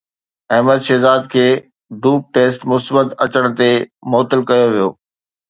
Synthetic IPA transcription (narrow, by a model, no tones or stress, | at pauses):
ɐɦməd̪ʃeːzaːd̪̚kʰeː | d̪uːp̚ʈeːsʈmʊsbəd̪ɐt͡ɕəɽ̃̆t̪emɔːt̪əlkɐjoʋijo̰ː